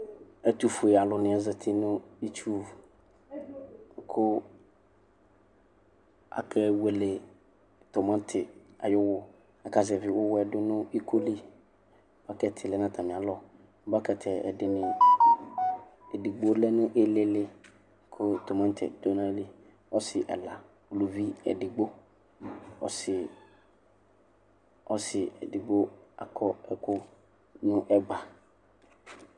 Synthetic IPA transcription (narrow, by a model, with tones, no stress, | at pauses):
ɛ˦t̪u˨fʊ˨e˨a˨lʊ˨nɪ̃˨ɛ˦zɪ˨t̪ʰɪ˦nʊ̃˦i˦t͡ʃu˦˨ | kʰʊ˦ | a̰˨kʰɛ˦we˨lɪ˨ | t̪ɔ˨mã˦n˦tʰɪ˨a̰˨jʊ˦wʊ˦ | a˨ka˨zɛ˨vɪ˨wʊ˦wɛ˨dʊ˦nʊ̃˦i˦kʰo˦li˦ | b̥a˦kɛ˦tʰɪ˨lɪ˨nã˦t̪ʰa˨mɪ̃˨a˨lɔ˦˨˦ | ba˦kɛ˨t̪ʰɛ˨ɛ̰˨dɪ˨nɪ̃˨ | ɛ˨dɪ˨ɡ͡bo˦lɛ˦nʊ̃˦ʔɪ˦lɪ˦lɪ˦ | kʰʊ˦to˨mã˦n˦tʰɛ̰˨do˦nã˦li˦ | ɔ˦sɪ˨ʔɛ̰˨la˨ | o˨lu˨vi˦ɛ̰˨dɪ˨ɡ͡bo˦ | ɔ̰˦sɪ˨ | ɔ˦sɪ˨ɛ̰˨dɪ˨ɡ͡bo˦a̰˨kʰɔ˦ɛ˦˨kʊ˦ | nʊ̃˦ʔɛ˦ɡ͡ba˨